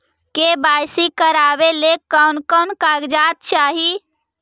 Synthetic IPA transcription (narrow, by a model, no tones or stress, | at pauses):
kebajsikəɾabelekankənkaɡd͡ʒat̪̚t͡ʃaɦi